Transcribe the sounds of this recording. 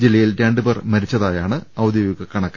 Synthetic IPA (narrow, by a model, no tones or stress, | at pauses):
d͡ʑilːɐjilteːɳɖɨbɐrmɐɾit͡ɕːɐðaːjaːɳɨɐwd̪jɐʋiɣɐkɐɳɐkː